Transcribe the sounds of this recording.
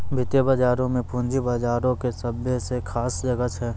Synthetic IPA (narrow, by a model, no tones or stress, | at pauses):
bʱɪt̪jəbaːd͡ʒaːɾõmẽpũnd͡ʒibaːd͡ʒaːɾõkesəbjesekʰaːsd͡ʒɐɡət̪ɦɛː